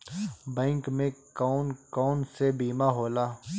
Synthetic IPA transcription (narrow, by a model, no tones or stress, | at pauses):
bɛ̃ːŋkmẽkɔːnkɔːnsebiːmaɦoːlaː